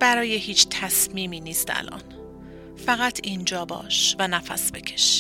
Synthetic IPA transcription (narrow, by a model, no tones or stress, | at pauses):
b̥æɾɒːjehiːt͡ʃʰt̪ʰæsmiːmiːniːst̪æ̰lʔɒ̰n | fæɣæt̪ʰind͡ʒɒːbɒ̰ːʃvænæfæ̰sbe̞kʰe̥ʃ